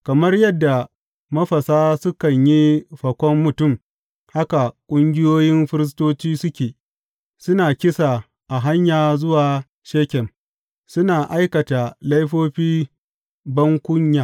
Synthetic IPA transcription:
kɐ˨mɐ˦rjɐ˦dːa˨ | mɐ˦ɸɐ˨saː˦sʊ˦kɐ˨ɲji˦ɸɐ˨kʷɔ˦mːʊ˨tʊ˦˨m | ha˦ka˨kʷʼʊ˦ŋɡʲɪ˦joː˦jɪ˦mɸɪ˦ɾɪ˦s̬toː˦t͡ʃiː˦sʊ˦kʲeː˨ | sʊ˦naː˨kʲɪ˦sa˨ | ʔa˨ɦa˦ɲjaː˨zʊ˦waː˨ | ʃeː˦kʲɛ˨m | sʊ˦naː˨ʔa˦jkɐ˨ta˨lɐ˦jɸoː˦ɸiː˦ | bɐ˦ŋkʷʊ˦ɲjaː˨

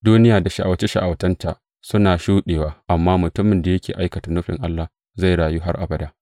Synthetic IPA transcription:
duː˦nɪ˦jaː˨da˨ʃa˨ʔa˨wt͡ʃe˦ʃa̰˨ʔa˨wtɐ˦nta˨ʔ | sʊ˦naː˨ʃuː˦ɗeː˨waː˦ʔa˨mːaː˦mʊ˨tʊ˦mɪ˨nda˨jɐ˦kʲḛː˨ʔa˦jkɐ˨ta˨nʊ˦ɸɪ̰˨ŋʔa˦lːa˨h | za˦˨jɽaː˨ju˦ɦa˦rʔa̰˨bɐ˦daː˦

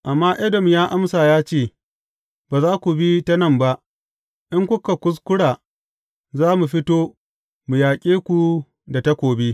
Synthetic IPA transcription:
ʔa˨mːaː˦ʔɛ˦dɔ˨mjaː˦ʔa˦msaː˨jaː˦t͡ʃeː˦˨ | baː˨zaː˦kʷu˨bi˦ta˦nɐ˦˨mba˦ʔ | ʔɪ˦ŋkʷʊ˦ka˨kʷʊ˦s̬kʷʊ˦ɽaː˨ | zaː˦mu˨ɸɪ˦toː˦ | mu˨jaː˨kʲʼeː˦kʷu˨ | da˨ta˦kʷoː˨bi˦

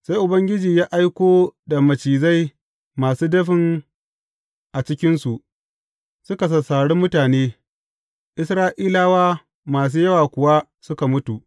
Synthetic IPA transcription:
sa˦jʔʊ˨bɐ˦ŋɡʲɪ˦d͡ʒiː˨jaː˦ʔa˦jkʷoː˦da˨mɐ˨t͡ʃiː˨za˦j | maː˨suː˦dɐ˦ɸɪ˨ŋ | ʔa˨t͡ʃɪ˦kʲɪ˦nsu˨ʔ | sʊ˦ka˨s̬ɐ˨saː˨ɽu˦mʊ˦taː˨neː˦ | ʔɪ˦sɾaː˦ʔiː˦laː˦waː˦ | maː˨s̬uː˦jɐ˦waː˨kʷʊ˨wa˦ | sʊ˦ka˨mʊ˦tu˨ʔ

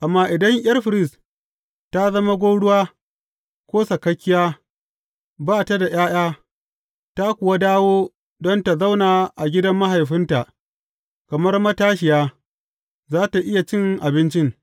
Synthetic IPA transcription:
ʔa˨mːaː˦ʔɪ˨dɐ˦ŋʔj̰ɐ˦rɸɪ˨ɾɪ˦s | ta˦zɐ˦ma˦ɡʷoː˦ɽʊ˦waː˦ | kʷoː˦sɐ˨kɐ˦kʲːɪ˦jaː˦ | baː˦ta˦da˨j̰aː˦j̰aː˦ | ta˦kʷʊ˨wa˦daː˦woː˦ | dɔ˦nta˨za˦wnaː˨ʔa˨ɡʲɪ˦dɐ˦mːa˦ɦa˨jɸɪ˦nta˨ʔ | kɐ˨mɐ˦rmɐ˦taː˦ʃ̬ɪ˨jaː˦ | zaː˦ta˨ʔɪ˦ja˨t͡ʃɪ˦ŋʔa˨bɪ˦nt͡ʃɪ˦ŋ

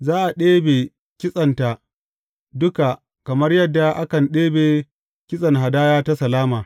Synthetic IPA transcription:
zaː˦ʔa˨ɗeː˦beː˨ | kʲɪ˦sʼɐ˨nta˨ʔ | dʊ˦ka˨ | kɐ˨mɐ˦rjɐ˦dːa˨ʔa˦kɐ˨nɗeː˦beː˨ | kʲɪ˦sʼɐ˨nɦa˨daː˦jaː˦ta˦sɐ˨laː˦maː˨

